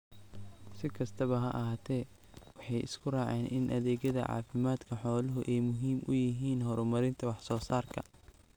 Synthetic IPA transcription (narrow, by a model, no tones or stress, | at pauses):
sɪkʰɐst̪ʰɐβɐɦɐʔɐɦaːt̪ʰɛː | wɑħɑjʔɪ̰skʰʊraːʕɛːnʔɪnʔɐðɛːɣjɐðɐ̰ʕɑ̰ːfɪmaːd̪kʰɐħɔːlɐɦʊʔɛjmʊɦiːmʔʊjɪɦiːnɦɔɾɔmɐɾɪnt̪ʰɐwɑħsɔːsaːrkʰɐ̰